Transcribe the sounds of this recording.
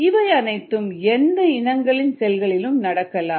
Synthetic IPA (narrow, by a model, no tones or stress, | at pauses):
ɪʋɐɪɐnɐɪt̪ːɯmɛnd̪ɐɪnɐŋɡɐɭɪnsɛlɣɐɭɪlɯmnɐɽɐkːɐlaːm